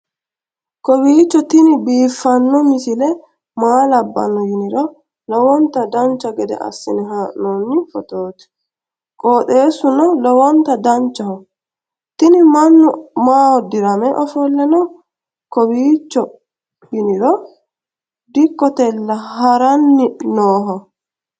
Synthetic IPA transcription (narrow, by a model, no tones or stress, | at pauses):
kɔbiːt͡ʃːɔt̪ɪnɪbiːfːɐnːɔmɪsɪlɛ | maːlɐbːɐ̰nːɔjɪnɪɾɔ | lɔwɔnt̪ɐd̪ɐnt͡ʃːɐɡɛd̪ɛ̰ʔɐ̰sːɪnɛɦaːʔnonːɪfɔt̪oːt̪ɛ̥ | kʼoːte̞ːsʊnɐlɔwɔnt̪ɐd̪ɐnt͡ʃːɐhɔ | t̪ɪnɪmɐnːɔmaːwɔd̪ɪɾɐmɛʔɔfɔlːɛnɔ | kɔbiːt͡ʃːɔ | jɪnɪɾɔ | d̪ɪkːɔt̪ɛlːɐhɐɾɐnːɪnoːɦɐ